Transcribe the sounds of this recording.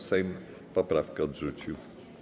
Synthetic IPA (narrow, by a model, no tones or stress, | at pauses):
sɛjm | pɔpɾafkaɔd̪ʐut͡ɕiw